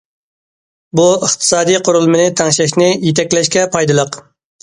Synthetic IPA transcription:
buəχt̪ʰɨ̥sɑːd̪ijqʰoɾulˠmɨnɪt̪ʰæŋʃɛʃ̬ʲnɪjet̪ʰɛkʲlɛʃkʲɛpʰɑjd̪ɨlˠəq

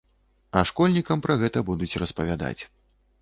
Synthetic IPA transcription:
ɐʂkɔlʲnʲikɐmpɾʔɐɣɛt̪ɐbud̪ut͡sʲrɐspɐvʲad̪a̰t͡sʲ

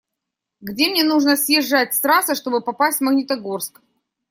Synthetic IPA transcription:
ɡdʲemnʲe̞nuʐnəsʲjɪʐːatʲst̪ɾasɨʂt̪o̞bɨpɐpasʲtʲmɐɡnʲɪt̪ɐɡorsk

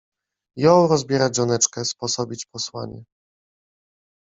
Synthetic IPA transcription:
jɔ̃w̃ɾɔzbʲjɛɾad͡ʑʒɔnɛt͡ʂkɛspɔsɔbʲit͡ɕpɔswaɲɛ̰

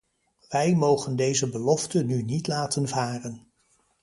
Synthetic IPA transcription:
ʋɛjmowχəndejzəbəlɔftənynitlaːtənvaːrən

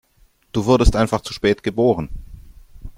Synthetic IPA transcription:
d̥uːvʊɐdəstʔaɪnfaχt͡su̥ʃpɛːtɡ̥əboːʁ̞ən

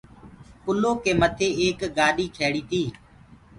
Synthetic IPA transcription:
kʊloːkeːmət̪ʰeːeːkɡaːɗiːkʰeːɽiːt̪iː

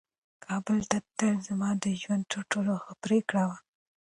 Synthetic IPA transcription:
kʰɑbəlt̪at̪əlzamɑd̪əʒwand̪̚t̪əɾʈoloxəpɾekɽawa

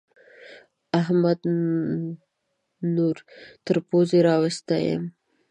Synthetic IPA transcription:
aɦmad̪ | nuɾt̪əɾpozeɾɑwast̪ajə̰m

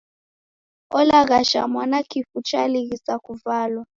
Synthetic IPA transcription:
ɔlaɣaʃa̰mwanakʰifut͡ʃʰʼaliɣ̬isakuvaːlwa

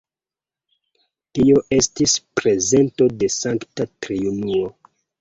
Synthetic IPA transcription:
tio̞ʔe̞stispɾe̞ze̞nto̞de̞saŋktatɾiunuo

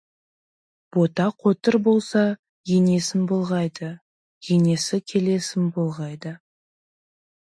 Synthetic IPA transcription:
b̥o̞t̪ɑqʰo̞t̪əɾbo̞lˠsɑ | je̞ne̞sɪnbo̞lˠʁɑjd̪ə | je̞ne̞sɪkʲʰe̞le̞sɪnbolˠʁɑjd̪ə

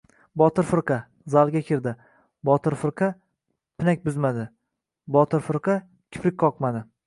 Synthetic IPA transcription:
bɒt̪ʰɪɾfɨɾqɑ | zalˠɡʲakʲʰɪɾd̪ɪ | bɒt̪ʰɪɾfɨɾqʰɑ | pʰɪnak̚ʲbʊzmad̪ɪ | bɒt̪ɪɾfɨɾqʰɑ | kʲʰɪ̥pɾɪk̚ʲqʰɒqmad̪ɪ

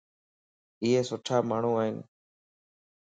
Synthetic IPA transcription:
ɪɦeːsʊʈʰaːmaːɳ̤ũːaːɦiːn

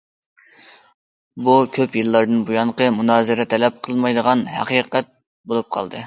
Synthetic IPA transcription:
bukʲʰøpjɨlːˠɑɾd̪ɨnbujɑnqəmunɑːzɨɾɛt̪ʰɛlɛp̚qʰəlˠmɑjd̪əʁɑnhæ̰qiqɛt̪̚ | bolˠup̚qʰɑ̰lˠd̪ɨ

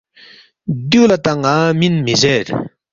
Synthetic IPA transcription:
d̪yʔlat̪aŋːaminmesɛːɹ

